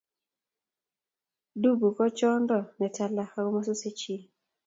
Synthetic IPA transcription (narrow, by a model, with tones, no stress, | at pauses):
du˦bu˨kɔ˦t͡ʃɔ˦ndɔ˨nɛ˨ta˨la˦ka˦kɔ˦ma˦sɔ˦se˦t͡ʃi˦